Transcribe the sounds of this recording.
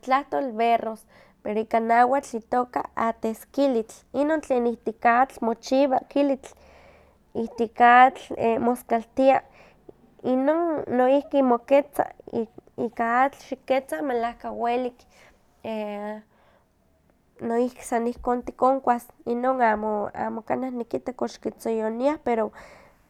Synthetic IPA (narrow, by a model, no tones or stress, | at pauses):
t͡ɬaht̪oːlberos | peɾoikanawat͡ɬit̪oːka̰at̪eskilit͡ɬ | inont͡ɬeːnit̪ikat͡ɬmot͡ʃiβakilit͡ɬ | it̪ikat͡ɬemoskalt̪ia | inoːnːoihkimoket͡sa̰ | ikaat͡ɬʃiket͡samelahkawelik | e | noihki̥sanihkoːnt̪ikoŋkʷasinoːnamoa̰moka̰nahnikit̪ekoʃkit͡sojoniahpeɾo